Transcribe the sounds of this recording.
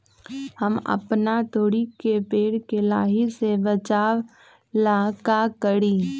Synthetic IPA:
həmɐ̰pnat̪oːɽikepeːɽkelaːɦisebət͡ʃaːw | laːkakəɽiː

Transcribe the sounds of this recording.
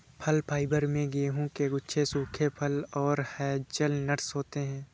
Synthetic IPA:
pʰəlpʰaːɪbəɾmẽɡeːɦũkeɡʊtːʃʰesuːkʰepʰəlɔːɾhɛːt͡ʃəlnəɾsɦoːt̪eɦɛ̃ː

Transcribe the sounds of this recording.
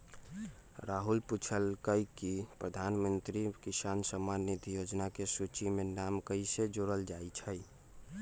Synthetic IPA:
ɾaɦulput͡ʃʰəlkəjkipɾəd̪ʱanmənt̪ɾikisansəmːanːid̪ʱjod͡ʒnakesut͡ʃimenamkəised͡ʒoɾəld͡ʒajt͡ʃʰəj

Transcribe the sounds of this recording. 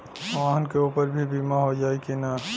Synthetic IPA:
ʋaɦənkeuːpəɾbʱibimaɦod͡ʒaːekina

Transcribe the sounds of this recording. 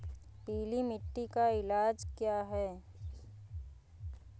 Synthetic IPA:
piːlimɪʈːikaɪlaːd͡ʒkjaːɦɛː

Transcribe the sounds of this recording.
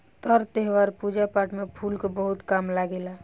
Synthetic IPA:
t̪əɾt̪eɦʋaɾpud͡ʒapaʈmepʰulkebəɦut̪kamlaɡela

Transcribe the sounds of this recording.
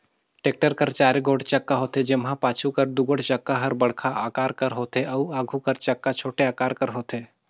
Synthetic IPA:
ʈeːk̚ʈəɾkɐɾt͡ʃaːɾeɡoːɽt͡ʃɐkːaɦoːt̪ed͡ʒɪmɦãpaːt͡ʃʰukɐɾd̪ʊɡəɽt͡ʃɐkːaɦɐɾbɐɽ̤kʰaʔaːkaːɾkɐɾɦoːt̪eɐuaːɡʱukɐɾt͡ʃɐkːat͡ʃʰoːʈeaːkaːɾkɐɾɦoːt̪eː

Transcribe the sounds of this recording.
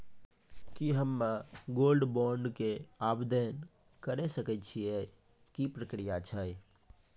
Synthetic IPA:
kiɦəmːaɡolɖbɔɳɖkeabd̪en | kəɾesəkɛt͡ʃʰie | kipɾəkɾijat͡ʃʰə

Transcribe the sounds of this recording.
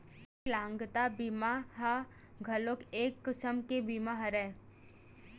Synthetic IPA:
lãːŋɡt̪abimaɦa | ɡʱɐlokeːkːəsəmkebimaɦɐɾɛː

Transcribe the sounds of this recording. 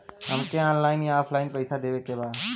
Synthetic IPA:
ɦəmkeɔːnlaɪnjaːpʰlaɪnpəjsʰad̪ebekebaː

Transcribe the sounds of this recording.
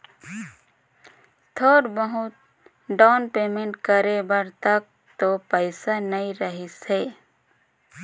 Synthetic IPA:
t̪ʰoːɾbəɦʊt̪̚ | ɖaːnpeːmẽɳʈkəɾebəɾt̪ək̚ | t̪opəɪsanɐĩɾəɦiseː

